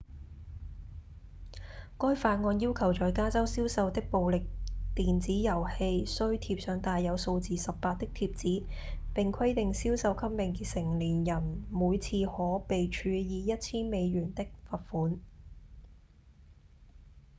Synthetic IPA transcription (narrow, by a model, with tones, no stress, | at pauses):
kɔː˥jfaː˧t̚ŋɔː˧njiː˥wkʰɐ˨˩wt͡ʃɔː˨jkaː˥t͡sɐ˥wsiː˥wsɐ˧wt̪ɪ˥k̚po˨˧wlɪ˨k̚t̪iː˨nt͡siː˨˥jɐ˨˩whe˧jsɵ˥ɥt̪ʰi˧p̚sœː˨˧˥ŋt̪aː˨˧jːɐ˨˧wso˧wt͡siː˨sɐ˨pːaː˧t̚t̪ɪ˥k̚t̪ʰiː˧˥p̚t͡siː˨˥ | pɪ˨ŋkʰɐ˥jt̪ɪ˨ŋsiː˥wsɐ˧wkʰɐ˥p̚mɪ˨ŋsɪ˨˩ŋliː˨˩njɐ˨˩nmuː˨˧jt͡sʰiː˧hɔː˨˥pe˨jt͡ʃʰyː˨˧jiː˨˧jɐ˥t̚t͡sʰiː˥nme˨˧jɥyː˨˩nt̪ɪ˥k̚fɐ˨t̚fuː˨˥n